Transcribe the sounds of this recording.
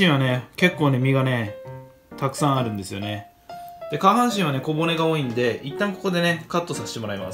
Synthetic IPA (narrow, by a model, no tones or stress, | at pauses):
ĩɰ̃βane̞ke̞kːo̞ːne̞mʲiɡane̞ | t̪akɯ̟sãɰ̃aɾɯ̟̃nd̪e̞sɨjo̞̰ne̞ | d̪̥e̞kahãɰ̃ɕĩɰ̃βane̞ko̞bo̞ne̞ɡao̞ːĩnd̪e̞it̪ːãmoko̞ko̞d̪e̞ne̞kat̪ːo̞sase̥t̪emo̞ɾaima̰s